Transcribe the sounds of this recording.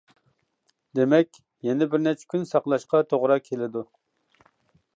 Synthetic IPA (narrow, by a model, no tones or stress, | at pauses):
d̪emɛkʲ | jɛnɛbɪɾnɛt͡ʃʰɛ̥kʲynsɑqlˠɑʃqɑt̪ʰoʁɾɑkʲʰelɪd̪u